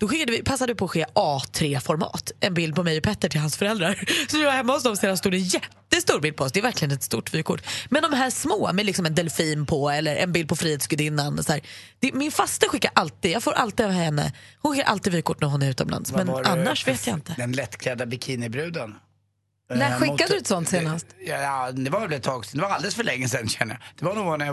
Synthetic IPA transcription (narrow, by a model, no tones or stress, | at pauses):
d̪̥ɔɧɪkːad̪əvɪpʰasːad̪əvɪpʰɔːɧeːʔɑːt̪ʰɾeːfɔɾmɑ̰ːt̪ɛnbɪld̪̚pʰɔmɛjɔpʰɛt̪ːəʈʰɪlhansfœɾɛld̪ɾaɾsɔmɪvaɾhɛmːaɔsd̪ɔmseːd̪anst̪uːd̪ɛnjɛt̪ːəst̪uːɾbɪld̪pʰɔɔs̬d̪ɛæɾvæɾklɪɡənɛt̪st̪ṵːʈvyːkʰʊʈːmɛnd̪ɔmɦæːʂmoːmɛlɪksɔmɛnd̪ɛlfiːnpʰɔɛlːəɾɛ̰nbɪld̪pʰɔfɾiːheːt̪sɡɵd̪ɪnːanshæːɾd̪̥ɛmɪnfast̪əɧɪkːaɾʔalt̪iːd̪jɑːɡfoːɾʔalt̪ɪːd̪avhɛnːə̰hʊnɧɪːaɾʔa̰lt̪ɪːd̪vyːkʰʊʈːnæɾɦʊnæɾʉ̟ːt̪ɔmla̰nsmɛnʔanːaʂveːt̪ʰjaɪnt̪əd̪ɛnlɛt̪ːkʰlɛd̪abɪkʰiːnɪbɾʉ̟ːd̪ən | næɧɪkːad̪ʉt̪sɔnt̪seːnast̪jjɑnɛvaɾɛblɛt̪ʰɑːɡsd̪ɛvaɾald̪ɛləsfœɭɛŋːəsɛnɕɛnːəja̰d̪̥ɛvaɳuːɡanja